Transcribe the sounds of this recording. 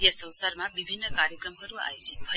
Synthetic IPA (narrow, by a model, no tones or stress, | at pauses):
asə̃w̃saɾmãʋibʱinːəkaɾjəkɾəmkəɾũa̰et͡ʃʰe̥fə